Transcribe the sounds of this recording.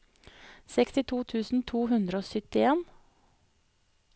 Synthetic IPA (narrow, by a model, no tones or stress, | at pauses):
sɛkst̪ɪt̪ʰuːt̪ʰʉːsn̩t̪ʰuːhʉnd̪ɾəoːsʏt̪ɪeːn